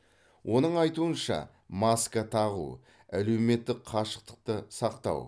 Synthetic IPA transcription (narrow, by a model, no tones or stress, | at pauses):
wʔo̞nəɴɑjt̪uənʃɑ̰ | mɑskat̪ʰɑʁṵ | æle̞wme̞t̪ːɪqqʰɑʃə̥q̚t̪ə̥q̚t̪əsɑqt̪ɑ̰w